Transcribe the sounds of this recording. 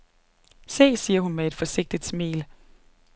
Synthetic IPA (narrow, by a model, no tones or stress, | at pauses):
se̝̰ːsiːɐɦunmee̝d̥fɒ̽se̝ɡ̥̚d̥id̥smḭːl